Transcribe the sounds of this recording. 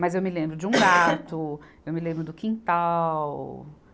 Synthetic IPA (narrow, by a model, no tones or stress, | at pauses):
mɐzewmɪlẽmbɾʊd͡ʒɪũɡat̪ʊ | ewmɪlẽbɾʊd̪ʊkĩnt̪aw